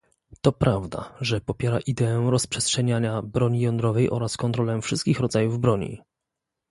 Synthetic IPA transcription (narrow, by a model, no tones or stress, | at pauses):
t̪ɔpɾavd̪a̰ʐɛpɔpʲjɛɾaʔid̪ɛɛɾɔspʂɛstʂɛɲaɲabɾɔɲijɔnd̪ɾɔvɛjʔɔ̰ɾaskɔnt̪ɾɔlɛfʂɘst̪kʲixɾɔd̪zajuvbɾɔɲḭ